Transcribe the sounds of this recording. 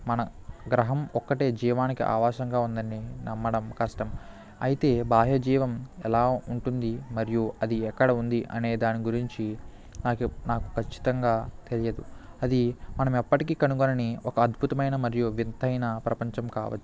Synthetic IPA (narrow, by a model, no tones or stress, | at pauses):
mɐnɐ | ɡɾɐɦɐmɔkːɐʈe̞ːd͡ʒiːʋaːnikiʔa̰ːʋaːʃɐŋɡaːund̪ɐnːinɐmːɐɽɐmkɐʂʈɐm | ɐ̰jit̪e̞ːbaːɦjɐd͡ʒiːʋɐmɛlaːuɳʈund̪imɐɾijuɐd̪iɛkːɐɽɐund̪iʔɐne̞ːd̪aːniɡuɾiɲt͡ʃi | naːkunaːku̥kʰɐt͡ʃːi̥t̪ɐŋɡaːt̪elijɐd̪uɐd̪imɐnɐmɛpːɐʈikiːkɐnuɡonɐniɔkɐːd̪bʱut̪ɐmɐjnɐmɐɾijuʋint̪ʰɐjnɐpɾɐpɐɲt͡ʃɐmkaːʋɐ̰t͡ʃːu